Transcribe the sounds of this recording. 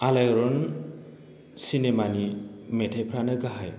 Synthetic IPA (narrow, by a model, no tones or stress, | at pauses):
alajɾɔn | sinemanimetʰajpʰɾanɯɡaɦaj